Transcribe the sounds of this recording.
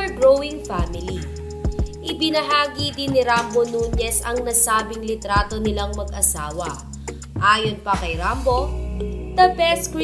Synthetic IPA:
ɛɹɡɹowɪŋfamɪli | ʔɪbɪnɐɦaːɡid̪ɪnɪɾambonunɛsɐŋnɐsaːbɪŋlɪt̪ɾaːt̪o̞nɪlaŋmɐɡʔɐsaːwɐ | ʔaːjo̞npɐkɐjɾambo̞d̪ɐbɛskɹɪ

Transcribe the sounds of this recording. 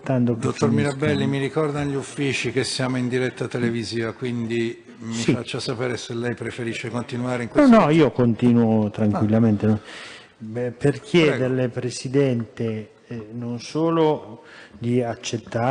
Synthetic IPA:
t̪ant̪od̪ot̪ːoɾmilabɛlːimiɾikɔrd̪anʎiufːiːt͡ʃikesːjaːmoind̪iɾɛt̪ːat̪eleviziːvakwind̪i | msisifat͡ʃːasapeːɾeselːɛjpɾefeɾiʃːekont̪inuaːɾeiŋkwenɔiːokont̪iːnwot̪ɾaŋkwilːament̪enɔ | perkʰjɛːd̪erlepɾesid̪ɛnt̪e | nonsoːlo | d̪iat͡ʃːet̪ːa

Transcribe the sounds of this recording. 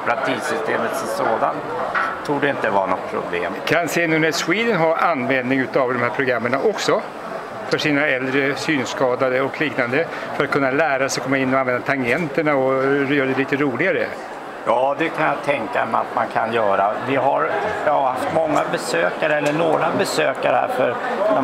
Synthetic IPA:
pɾat̪ʰiːsʏst̪eːmət̪sɔsoːd̪a̰nt̪ʰːɾuːɖɛɪnt̪əva̰nɔt̪̚pʰɾʊ̰blḛːmkʰanseːnʉnɛswiːd̪ənɦɑːʔanːvɛnd̪nɪŋʉ̟ːt̪avd̪ɔmhæːɾpʰɾʊɡɾamːəɳaʔɔksɔ | fœʂiːnaɛld̪ɾəsyːnskɑːd̪ad̪əɔkliːknand̪ə | fœɾat̪̚kʰɵnːalæːɾasɛjkʰɔmːaɪnːɔanvɛnd̪at̪ʰaŋɡɛnt̪əɳaɔjœːɾad̪ɛliːt̪əɾuːlɪɡaɾə | jɑːd̪ɛkʰanjat̪ʰɛŋkamɛa̰t̪mankʰa̰njœːɾavɪɦaɾjhaft̪mɔŋːabɛsøːkaɾəɛlːəɳoːɡɾabɛsøːkaɾəhæ̰ɾfœɾ

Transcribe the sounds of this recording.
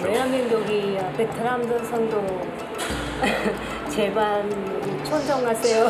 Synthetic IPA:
menamindoɡiapetʰɯɾamd͡ʑʌnsʰʌŋdo | t͡ɕeban | t͡ɕʰond͡ʑʌŋɦasʰejo

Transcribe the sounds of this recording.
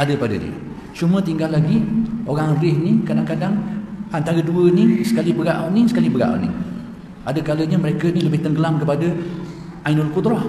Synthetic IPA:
adəpadə̰dḭə̰ | t͡ʃumə̃t̪iŋɡalːaɡioɾaŋəɾɪhnikadaŋkadaŋant̪aɾəduənisə̥kalibəɡaʔanisə̥kalibəɡa̰ʔa̰wnḭŋ | ʔadəkaləɲəməɾekəniləbɪht̪əŋɡəlamkəpadə | ajnɔlkut̪ɾɔh

